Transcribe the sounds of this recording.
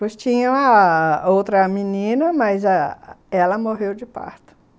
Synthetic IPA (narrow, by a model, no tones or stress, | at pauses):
pojst͡ʃĩɲɐ̃w̃ɐowt̪ɾɐminĩnɐmɐzɐɛlɐmoɦewd͡ʒɪpa̰ɾt̪ʊ̥